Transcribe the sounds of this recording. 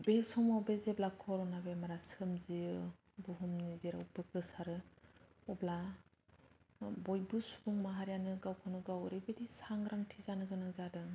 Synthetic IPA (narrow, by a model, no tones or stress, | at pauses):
besɔmabezeblakʰɔɾɔnabemaɾasɯmziɯ | buɦumnizeɾaupɯkɯsaɾɯ | ɔbla | bɔjbɯsu̥buŋmaɦaɾjanɯɡawkʰɯnɯɡawɾebedisaŋɾaŋtʰizanɯɡɯnɯzadɯ